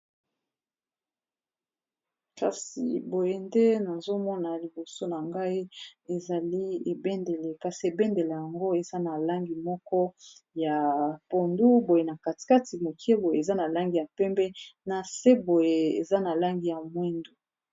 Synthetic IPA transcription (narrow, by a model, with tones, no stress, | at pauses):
ka˨sḭ˨bo˨je˨nde˦na˨zo˦mɔ˦na˨li˨bo˨so˦na˨ŋɡa˦i˦e˨za˨li˦e˨bɛ˦nde˨le˨ka˨si˨e˨bɛ˦nde˨le˨ja˨ŋɡo˦e˨za˦na˨la˦ŋɡi˨mɔ˦kɔ˦ja˨po˨ndu˦bo˨je˨na˨ka˨ti̥˨ka˦ti˨mo˨kʰi˦e˦bo˨je˨e˨za˦na˨la˦ŋɡi˨ja˨pɛ˦mbɛ˦na˨se˦bo˨je˨ḛ˨za˦na˨la˦ŋɡi˨ja˨mwɛ˦ndu˨